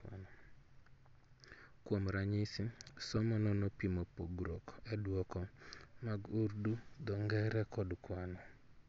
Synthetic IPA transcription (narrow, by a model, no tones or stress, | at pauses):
nɔ | kwomɾaɲɪsɪsɔmɔnɔnopimopoɡɾokɛdwɔkɔmaɡuɾdud̪ɔŋɡɛɾɛkɔdukwanɔ